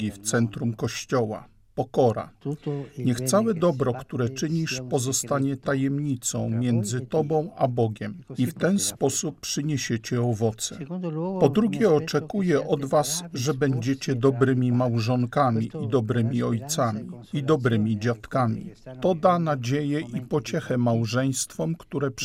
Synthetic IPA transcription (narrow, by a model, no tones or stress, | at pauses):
ift̪sɛnt̪ɾumkɔɕt͡ɕɔwa̰ | pɔkɔɾa̰ | ɲɛxt̪sawɛd̪ɔbɾɔkt̪uɾɛt͡ʂɘɲiʂpɔzɔst̪aɲɛt̪ajɛmɲit̪sɔ̰̃w̃mʲjɛnd̪zɘt̪ɔbɔ̃w̃abɔɡʲɛmift̪ɛnspɔsupːʂɘɲeɕet͡ɕɛɔvɔt̪sɛ̰pɔd̪ɾuɡʲjɛɔt͡ʂɛkujɛʔɔd̪vasʐɛbɛɲd͡ʑet͡ɕɛd̪ɔbɾɘmʲimawʐɔŋkamʲiʔid̪ɔbɾɘmʲiɔjt̪samʲiid̪ɔbɾɘmʲid͡ʑat̪kamʲḭt̪ɔd̪anad͡ʑejɛʔipɔt͡ɕɛxɛmawʐɛj̃st̪fɔmkt̪uɾɛp